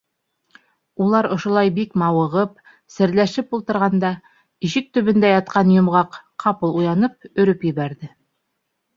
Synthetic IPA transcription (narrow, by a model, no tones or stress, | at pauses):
ulˠɑɾŏʃŏlˠɑjbikmɑwɤ̆ʁɤp̚ | sɘ̆ɾlæʃɘpulˠt̪ɤ̆ɾʁɑnd̪ɑ | iʃɘk̚t̪ɵ̆βɘ̆nd̪æjɑt̪̚qɑnjŏmʁɑqqʰːɑpɤlˠujɑnɤp̚ɵ̆ɾɵpjɘ̆βæɾðɘ